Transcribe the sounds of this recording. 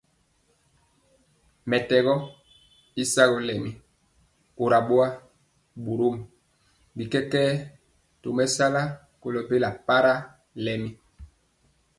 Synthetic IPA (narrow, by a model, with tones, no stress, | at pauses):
mɛ˨tɛ˨ɣɔ˦ | i˦sa˦ɣɔ˦lɛ˨mi˦ | o˨ɾa˨ɓwa˦ | bu˨ɾo˦m˨ | bi˨kɛ˦kɛː˦ | to˨mɛ˦sa˦la˦ | ko˨lɔ˨pe˦la˨pa˦ɾa˦ | lɛ˨mi˦